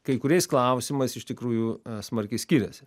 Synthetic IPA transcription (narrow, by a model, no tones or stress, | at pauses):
kɐɪkʊɾʲɛɪsklˠɐˑʊsʲɪmɐɪsɪʃt̪ʲɪkɾuːjusmɐɾʲkʲɛɪsʲkʲiːɾʲɛsʲ